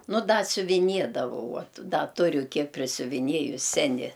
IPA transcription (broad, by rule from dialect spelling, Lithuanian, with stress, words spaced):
ˈnʊ ˈdɐ sʲʊʋʲɪˈnʲiɛdɐʋɐʊ ˈuɔt ˈdɐ ˈtʊrʲʊ ˈkʲiɛk pʲrʲɪsʲʊʋʲɪˈnʲiɛjʊs ˈsʲæːnʲɪ